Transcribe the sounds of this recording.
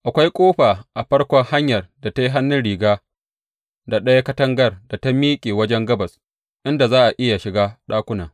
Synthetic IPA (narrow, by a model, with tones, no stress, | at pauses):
ʔa˨kʷa˦jkʷʼoː˦ɸaː˨ʔa˨ɸɐ˦rkʷɔ˦ŋha˦ɲjɐ˨rda˨teː˦ɦa˦nːɪ˦nɽiː˨ɡaː˦ | da˨ɗɐ˦ja˦kɐ˦tɐ˦ŋɡɐ˦rda˨ta˦miː˦kʲʼeː˨wɐ˦d͡ʒɛ˦ŋɡɐ˦bɐ˨s | ʔɪ˦nda˨zaː˦ʔa˨ʔɪ˦ja˨ʃɪ˨ɡaː˦ɗaː˦kʷʊ˦naː˨